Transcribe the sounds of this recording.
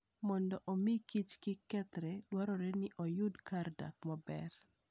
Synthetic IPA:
mɔndɔʔomikit͡ʃkɪkɛt̪ɾɛdwaɾɔɾɛnɪʔɔjʊdkarda̰tmabɛ̰r

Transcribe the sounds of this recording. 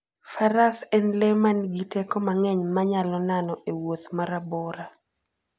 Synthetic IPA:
faɾasɛnlɛmanɡitɛkɔmaŋɛɲmaɲalɔnanɔʔewot̪maɾabɔɾa

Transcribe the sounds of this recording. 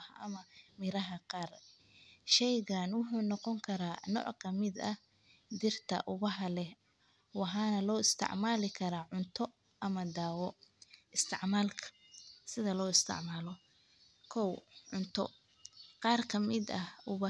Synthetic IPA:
hʔɐ̰mɐmɪɾɐɦɐqɑːr | ʃɛjɣaːnwʊħuːnɔqɔŋkʰɐɾaːnɔ̰ːʕkʰɐmɪd̪ɐh | d̪ɪrt̪ʰɐ̰ʔʊβɐɦɐlɛh | wɑħaːnɐlɔːɪst̪ʰɪ̰ʕmaːlɪkʰɐɾaːʕʊnt̪ʰɔ | ɐmɐd̪aːwɔʔɪst̪ʰɪʕmaːlkʰɐ̥ | sɪðɐlɔːɪst̪ʰɪ̰ʕmaːlɔ | kʰɔwʕʊnt̪ʰɔ̰ | qɑːrkʰɐmɪd̪ɐʔʊβɐ

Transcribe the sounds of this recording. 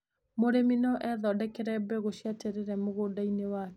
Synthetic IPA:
moɾeminɔʔɛðɔdɛkɛɾɛbɛɣoɕiatɛɾeɾɛmoɣoːdainewak

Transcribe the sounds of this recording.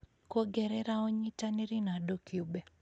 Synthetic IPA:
kɔɡɛɾɛɾaɔɲitaniɾinaɗɔkjuɓɛ

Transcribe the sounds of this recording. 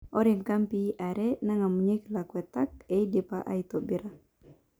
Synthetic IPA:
ɔɾɛŋkampiʔaɾɛnaŋamuɲeklakuɛt̪ak̚ɛidɛpaʔa̰it̪ɔbɛɾa

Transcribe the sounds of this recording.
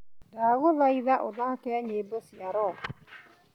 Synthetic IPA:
daɣoðaiðaʔodakɛaɲeːbosiaɾɔ

